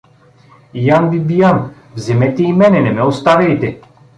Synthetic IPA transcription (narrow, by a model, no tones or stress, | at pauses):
janbibijan | vzɛmɛt̪ɛimɛnɛnɛmɛɔst̪avɛjt̪ɛ